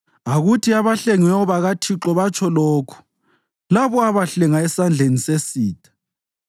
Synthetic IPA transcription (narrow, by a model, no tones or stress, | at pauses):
aɣutʰiaβaɬeŋwɛɔβaɣatʰiǁɔβat͡ʃʼʰɔloːkʰu̥ | laβɔaβaɬɛŋaɛsand͡ɮʱenisesiːtʼʰḁ